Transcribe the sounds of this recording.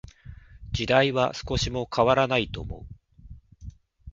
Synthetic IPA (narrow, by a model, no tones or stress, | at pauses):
d͡ʑid̪aiβasɨ̥ko̞ɕimo̞kʰaβaɾanait̪o̞ːmo̞̰ɯ